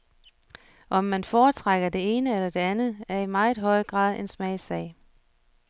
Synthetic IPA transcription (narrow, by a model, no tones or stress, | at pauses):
ʔɒ̽mːænfɒːt͡sʰʁaɡ̥ɐd̥e̝e̝ːnəelɐd̥e̝ænð̩ˠæɐimɑ̈ɪð̩ˠɦɒ̽ɪ̰ɡ̥ʁɑ̰̈ːðˠe̝nsmɛɪsɛ̰ɪ̰